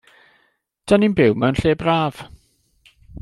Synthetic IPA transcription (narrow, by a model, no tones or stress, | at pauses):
d̥aninbɪwmɛwnɬeːbraːv̥